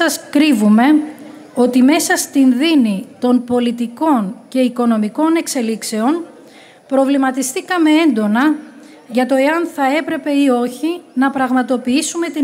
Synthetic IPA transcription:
ɐskɾivume̞ | o̞t̪ime̞sɐst̪inðinit̪o̞npo̞lit̪iko̞nce̞iko̞no̞miko̞ne̞kse̞likse̞o̞n | pɾo̞vlimɐt̪ist̪ikɐme̞e̞nd̪o̞nɐ | ʝɐt̪o̞e̞ɐnθɐe̞pɾe̞pe̞io̞çinɐpɾɐɣmɐt̪o̞piisume̞t̪i

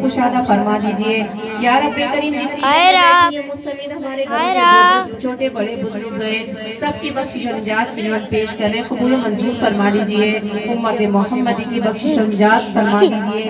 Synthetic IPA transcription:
koʃaːd̪afɐɾmad̪iːd͡ʒieːjaːɾɐbɽek̪ɐɾiːmd͡ʒɪt̪niɛ̃mʊst̪ɐmiːlɦɐmaːɾeɡʱɐ̃kːot͡ʃʰoːʈebɐɽebʊzʊɾʊɾɡẽ | sɐb̚kibɐkʃʃɐnd͡ʒaːt̪kenãːn̚peːʃkɐɾːẽkɐbuːlõmɐzbuːɾfɐɾmaliːd͡ʒieːʊmːət̪emʊɦəmːəd̪kibɐkʃʃɐnd͡ʒaːt̪fɐɾmaːd̪iːd͡ʒieː

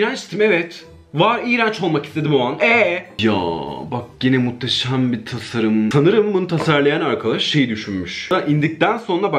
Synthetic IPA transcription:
iɾant͡ʃt̪ʰimevɛt̪ | vaɾiːɾant͡ʃo̞lˠmaki̥st̪ʰe̞d̪imoanɛja̰ːbak̚ɟenɛmut̪ʰːaʃambit̪ʰasaɾɯmsanɯɾɯmbunut̪ʰasaɾlˠajanaɾkʰad̪aʃʃe̞jid̪yʃynmyʃaʔind̪ic̚t̪ænso̞nɾaba

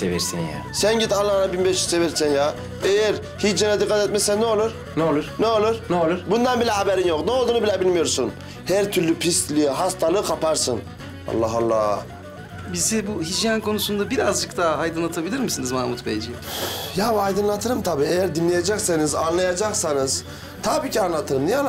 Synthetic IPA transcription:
seviɾsḭnja̰ | sænɟit̪anllˠanabinbeʃi̥seviɾsɛnja | ejæɾ | hit͡ʃd͡ʒjanad̪ikːat̪ɛt̪̚mesɛnːeolˠuɾ | neolˠuɾ̥neolˠuɾ̥neolˠuɾ̥bund̪anbilʲɛɦabeɾinjoknɛolˠd̪uːnubilʲɛbilʲmijo̞ɾsun | hæɾt̪ʰyɾlʲypʰist̪lʲijiɦast̪ʰalˠɯkʰapʰaɾsɯn | a̰lˠːɑɦalˠːɑ̰ː | bizibuɦid͡ʒjankʰo̞nusund̪abiɾazd͡ʒɯk̚t̪aɦajd̪ɯnlˠat̪ʰabilʲiɾmisinizmamut̪bejd͡ʒijabajd̪ɯnlˠat̪ʰɯɾɯmt̪ʰabiːejæɾd̪inlʲejad͡ʒaksanizanlˠajad͡ʒaksanɯz̥ | t̪ʰabiːcʰianlˠat̪ʰɯɾɯmnijan

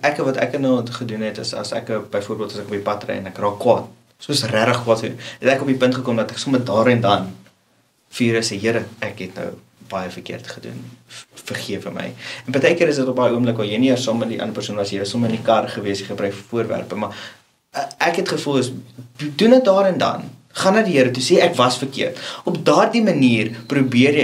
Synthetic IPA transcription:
ʔækəvɐtæ̰kənɑχədunɦɛtə̰sɐ̰sæ̰kəbəjfuəɾbiəlˠtɐsækopipɐtrə̰jɛ̰nækrɑːkːwɑːt | suəsræɾəχkwɑːtχəunɛtækopipəntχəkomdɐtæksomədɑːɾəndɐn | fiːɾəsejəɾəækɦɛtnə̰w | b̥ɐjəfərkḭərtχədṵnfərχiəfəmə̰jɛnpətɛjkəɾəsdətop̚bɐjəuəmbləkvɐljəjniərsɑːmɛtdiʔɐ̰ndərpærsuənvɐsəɾəsoməəndikɐrχəviəsiχəbrœɥkfuərvæ̰rpəmɐ | ækɦɛtχəfulˠəsdunət̚dɑːɾəndɐ̰n | χɐnɐdiɦəɾətuseːækvɐsfərkḭərtɔpdɑːrdiməniːrprubiərjə

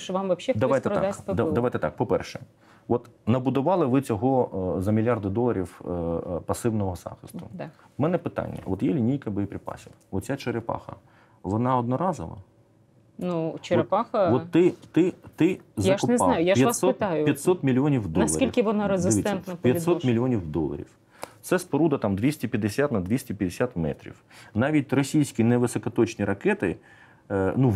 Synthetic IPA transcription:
ʃʋɑmʋɐpʃɛd̪ɐʋajt̪ɛɾ̰d̪asʲpd̪ɐd̪ɐʋajt̪ɛt̪ɑk̚pɔpɛ̰rʃɛ | ʋɔt̪nɐbʊd̪ʊʋɑlˠɪʋɪt͡sʲɔɦɔzɐmʲlʲjɑrd̪ɪd̪ɔlˠɐɾʲiw | pɐsɪwnɔɦɔz̥ɑ̰xɪst̪ʊ | mɛnɛpɪt̪ɑ̰nʲːɐ̰ɔt̪jɛlʲinʲijkɐbɔjipɾʲɪpɑ̰sʲiwʋɔt̪t͡sʲːat͡ʃeɾɪpɑ̰xɐ̰ | ʋɔnɑɔd̪̚nɔɾɑzɔ̰ʋɐ̰ | nut͡ʃeɾɪpɑxɐʋɔt̪ːɪt̪ɪt̪ɪzjannajʊjapjɐassɔɑjʊjɐt̪ʲsɔt̪mʲilʲiɔnʲiwd̪ɔɐsʲˠɐilʲkʲɪʋɔnɑɾezɪɐsʋʲit̪ʲːɛnt̪nɐpjɐtʲisɔtmʲilʲiɔnʲiwd̪ɔ̰lˠɐ̰ɾʲḭw | t̪sɛspɔɾud̪ɐt̪ɑmd̪ʋʲisʲtʲipʲjɐd̪esʲat̪nɐd̪ʲʋʲisʲtʲipʲjɐd̪esʲat̪mɛ̰t̪ɾʲḭwnɑʋʲit̚ʲrɔsʲijsʲkʲineʋɪsɔkɐt̪ɔt͡ʃnʲiɾɐkɛt̪ɪ̰ | nu

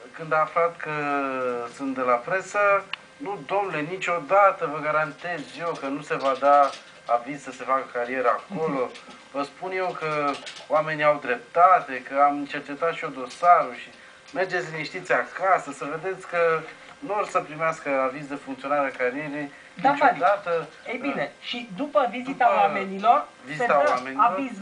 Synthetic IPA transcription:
kɨnd̪aːflat̪kə | sɨnt̪d̪e̞lapɾe̞sə | nud̪o̞mnle̞nit͡ʃʲo̞d̪at̪əvəɡaɾant̪e̞zje̞wkənuse̞vad̪a | avizsəse̞fakəkaɾie̞ɾəako̞lo̞ | vəspunje̞wkəowame̞niawd̪ɾe̞p̚t̪at̪e̞kəamɨnt͡ʃe̞rt͡ʃe̞t̪at̪ʃiod̪o̞saɾuʃi | me̞rd͡ʒet̪sʲniʃt̪it̪sʲeakasəsəve̞d̪e̞t̪sʲkə | nuorsəpɾimeaskəavizd̪e̞fuŋkt̪sio̞naɾeakaɾije̞ɾej | d̪at͡ʃod̪at̪ə | ejineʃid̪upəvizit̪awamenilo̞r | vizit̪awamenaloɾiz

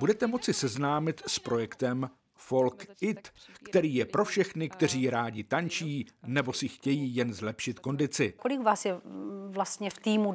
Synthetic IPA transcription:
budɛt̪ɛmo̞t͡sɪsɛznaːmɪt̪spɾo̞jɛkt̪ɛm | fo̞lkɪt̪kt̪ɛɾiːjɛpɾo̞fʃɛxnɪkt̪ɛr̝iːɾaːɟɪt̪ant͡ʃiːnɛbo̞sɪxcɛjiːjɛnzlɛpʃɪt̪ko̞ndɪt͡sɪkolɪkvaːsjɛvlast̪ɲɛft̪iːmu

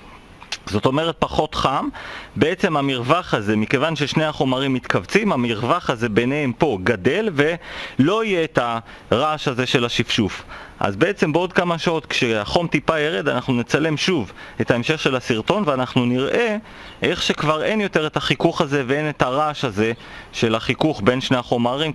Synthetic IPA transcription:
zo̞t̪o̞me̞ʁe̞t̚paχo̞tχambe̞e̞t͡se̞mamiʁvaχaze̞mike̞vanʃe̞ʃneaχo̞maʁimːit̪kavt͡simamiʁvaχaze̞be̞nehempo̞ɡade̞lve̞lo̞ijeːta | ʁaʃaze̞ʃe̞laʃifʃufʔa̰zbe̞e̞t͡se̞mbeo̞d̚kamaʃao̞t̪kʃeaχo̞mtipajeʁedanaχnunet͡sale̞mʃuvetaemʃe̞χʃe̞lasiʁt̪o̞nveanaχnuniʁʔe̞ | ʔeχʃe̞kvaʁe̞njo̞te̞ʁetaχikuχaze̞vee̞netaʁaʃaze̞ | ʃe̞laχikuχbe̞nʃne̞jaχo̞maʁim

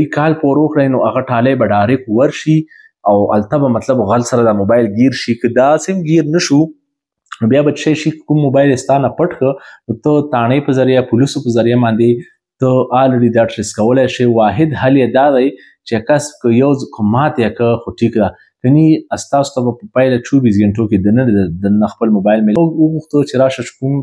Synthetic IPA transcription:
ikɑlpoɾokɽajnoʔaɣaʈɑlajbaɖɑɾɪkwaɾʃi | awa̰lt̪abamat̪labɣalsaɾad̪amobɑjɪlɡeɾʃikəd̪asɪmɡiɾnəʃu | nobjabaʃajʃikə̥kumːobɑjlest̪ɑnapəʈxənot̪ət̪ɑɳepəzaɾjapulisopəzaɾjamɑnd̪e | t̪əɑlɽid̪ɑʈɾɪskawəlajʃewɑɦɪd̪haljed̪ɑd̪aj | t͡ʃeakaskəjawzkəmɑt̪jakəxoʈikd̪a | kəniast̪ɑso̥t̪abapəpajlat͡ʃubizɡeɳʈoked̪ənənd̪d̪ənaxpəlmobɑjlmelwəɣuxt̪ət͡ʃeɾɑʃat͡ʃkum

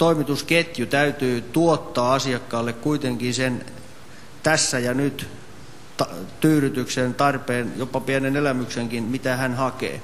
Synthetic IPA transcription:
t̪oimit̪usket̪jut̪æyt̪yːt̪uot̪ːɑːɑsiɑkːɑːlːekkuit̪eŋkinsen | t̪æsːæjɑnyt̪ | t̪ɑt̪yːryt̪yksent̪ɑrpeːnjopɑpiænenelæmykseŋkinmit̪æhænhɑkḛː

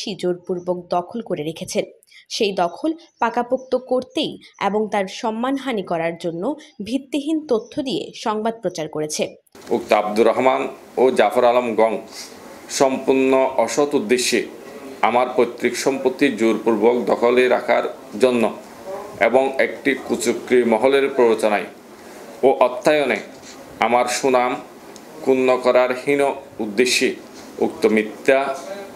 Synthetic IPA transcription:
ʃid͡ʑoɾpuɾbok̚d̪ɔkʰolkoɾeɾekʰet͡ɕʰen | ʃejd̪ɔkʰolpakapok̚t̪okoɾt̪ejeboŋt̪aɾʃɔmːanɦanikɔɾaɾd͡ʑonːobʱit̪ːiɦint̪ot̪ʰːod̪iḛʃɔŋbad̪̚pɾot͡ɕaɾkoɾet͡ɕʰe | ukt̪ab̚d̪uɾɔɦman | od͡ʑafoɾalomɡɔŋ | ʃɔmpuɾnoʔɔʃot̪ud̪ːeʃːeamaɾpojt̪ːɾikʃɔmpot̪ːid͡ʑuɾpuɾbok̚d̪ɔkʰoleɾa̰kʰaɾ | d͡ʑonːo | eboŋekʈikut͡ɕukɾimɔɦoleɾpɾoɾot͡ɕonaj | oʔɔt̪ʰːajone | amaɾʃunam | kunːokɔɾaɾhino | ud̪ːeʃːi | uk̚t̪omit̪ːa

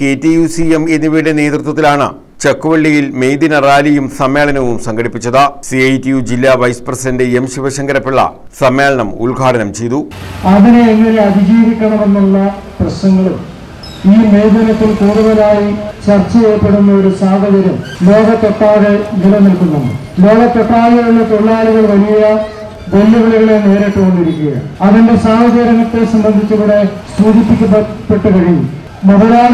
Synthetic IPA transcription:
ketːijusiemenːiʋiːɽene̞ːd̪rut̪wɐt̪ːilaːɳɨ̰ | t͡ɕɐkːuʋɐɭːijilme̞jd̪inɐraːlijumsɐmːe̞ːɭɐnɐʋumsɐŋɡɐɽipːit͡ɕːɐðɨsiɐjtːijud͡ʑilːaʋɐjsprɐsidɐndeemɕiʋɐɕɐŋɡɐɾɐpːiɭːɐ̰ | sɐmːe̞ːɭɐɳɐmṵɭɡʱaːʈʰɐnɐmt͡ɕe̞jt̪uɐðine̞ːŋːɐne̞ɐd̪ʱid͡ʑiːʋikʲːɐɳɐme̞nːuɭːɐprɐɕnɐŋːɐɭum | iːmejd̪ɐnɐt̪ːilkuːɽuʋɐnaːjit͡ɕɐrt͡ɕːɐjejpːe̞ɽunːɐo̞ɾusaːɦɐðɐɾɐmlo̞ːɣɐt̪ːoʈːaːðenilɐnilkunːuɳɖɨ̰ | lo̞ːɣɐt̪ːoʈːaːlɐɣuɭːet̪oɭːaːluɣɐɭʋɐlijjɐ | d̪elːɐʋiɭiɣɐɭe̞ne̞ːɾeʈːukoɳɖiɾikʲːuɣɐ̰ɐðinde̞saːɦɐd͡ʑɐɾɐŋːɐt̪ːe̞sɐmbɐnd̪ʱit͡ɕːuɣuːɽe̞st̪uːɡipːikʲːɐpːe̞ʈːɨkɐɻiɲːu | mɐðɐlaː

